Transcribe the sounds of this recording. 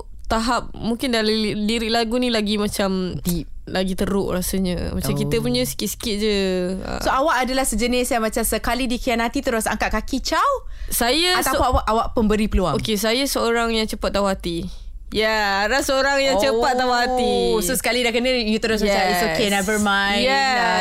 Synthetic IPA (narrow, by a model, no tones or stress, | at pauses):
t̪aɦap̚mũŋkɪndalidiɾɪʔ̚laɡunĩlaɡimat͡ʃamilaɡit̪əɾʊʔɾasəɲə̰mat͡ʃamkit̪əpund͡ʒəsi̥kɪt̪̚si̥kɪt̪̚d͡ʒəə̰soawaʔadalahsəd͡ʒənɪsamat͡ʃamsəkalidikijanat̪it̪əɾosa̰ŋkaʔ̚kakit͡ʃawsajaasaunawaʔawaʔpəmbəɾipəluaokes̬ajasəoɾaŋjaŋt͡ʃəpat̪̚ːawɦat̪i | jaaɾasəoɾaŋjaŋt͡ʃəpat̪̚ːawat̪isosə̥kalidahkənəjut̪əɾʊs̬saisokenɛvəmãjnjɛ